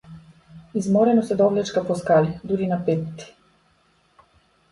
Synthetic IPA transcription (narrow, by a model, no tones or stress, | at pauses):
izmɔɾɛnɔsɛd̪ɔvlɛt͡ʃkapɔskalid̪uɾinapɛt̪ːi̥